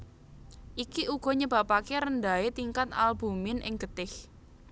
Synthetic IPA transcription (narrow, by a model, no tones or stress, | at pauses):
ʔikiʔuɡ̥ɔ̤ɲəba̤pakeɾəndaet̪iŋkat̪a̰lb̥ṳmɪnʔɪ̰ŋɡ̥ət̪ɪh